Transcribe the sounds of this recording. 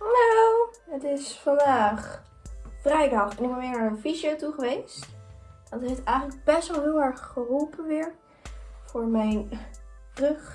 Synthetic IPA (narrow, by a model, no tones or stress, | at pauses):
nowɦətɪsfɑndaːχ | frɛjdɑχnɪkɔʋɪːəɹnaːɹənfiʃowtuχəʋejstdɑtejftɛjχənləɡ̚bɛstʋɛlˠɦɪːlˠɛɹχːərulˠpənʋɪɹ | v̥ʊːɹmɛjn | røχ